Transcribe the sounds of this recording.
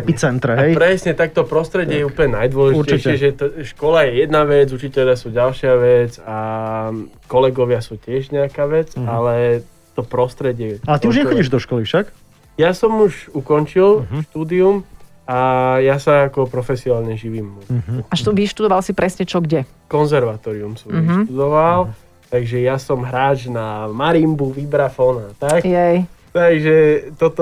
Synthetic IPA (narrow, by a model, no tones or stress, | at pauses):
ɛit͡sɛnt̪ɾɛɦɛjpɾɛsɲɛt̪ak̚t̪ɔpɾɔst̪ɾɛɟɪɛjɛupəlɲɛnajd̪ʋɔlɛʒiɾt͡ɕɛʃɪɛʒɛt̪ɔʃkɔlajɛjɛd̪naʋɛd͡zut͡ʃicɛʎɪasuːɟalʃɪaʋɛd͡za | kɔlɛɡɔʋɪasuːcɪɛʒɲɛakaːʋɛd͡zalɛ | t̪ɔpɾɔst̪ɾɛɟɪɛalɛt̪iuʒɲɛxɔɟiʒd̪ɔʃkɔlifʃak | jasɔmuʒukɔnt͡ʃilʃt̪uːd̪ium | ajasaːkɔpɾɔfɛsiɔnaːlɲɛʒiʋiːmːɛuaʃɔʋiʃt̪ud̪ɔʋalsipɾɛsɲɛt͡ʃɔɡɟɛ | kɔnzɛɾʋat̪ɔːɾiumsɔmiʃt̪ud̪ɔʋal | t̪aɡʒɛjasɔmɦɾaːt͡ʃnamaɾimbuʋibɾafɔnaat̪akjɛjt̪aɡʒɛt̪ɔt̪